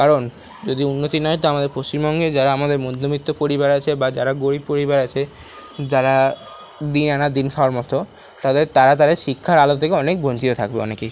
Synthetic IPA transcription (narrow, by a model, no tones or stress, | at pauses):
kaɾon | d͡ʑod̪iunːot̪inɔet̪oamad̪eɾpost͡ɕimbɔŋɡed͡ʑaɾaamad̪eɾmod̪ʱːomit̪ːopoɾibaɾat͡ɕʰebad͡ʑaɾaɡoɽipoɾibaɾat͡ɕʰe | d͡ʑaɾa | d̪inanad̪inkʰaoaɾmɔt̪o | t̪aɦd̪et̪aɾat̪ad̪eɾʃikʰːaɾalot̪ʰːekeɔnek̚bont͡ɕit̪ot̪ʰakbeɔ̰neke